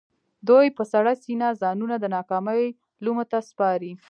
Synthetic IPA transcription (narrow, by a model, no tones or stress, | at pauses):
d̪ojpəsaɽasinazɑnunad̪ənɑkɑməj | lumət̪aspɑɾi